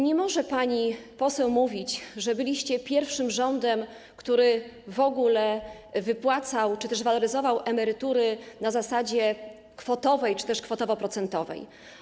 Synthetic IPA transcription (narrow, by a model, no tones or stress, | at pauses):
ɲɛmɔʐɛpaɲipɔsɛwmuvʲit͡ɕʐɛbɘlʲiɕt͡ɕɛpʲjɛɾfʂɘmʐɔnd̪ɛm | kt̪uɾɘ | vɔɡulɛ | vɘpwat̪sawt͡ʂɘt̪ɛʐvalɔɾɘzɔvawʔɛmɛɾɘt̪uɾɘnazasad͡ʑɛ | kfɔt̪ɔvɛjt͡ʂɘ̥t̪ɛʂkfɔt̪ɔvɔpɾɔt̪sɛnt̪ɔvɛ̰j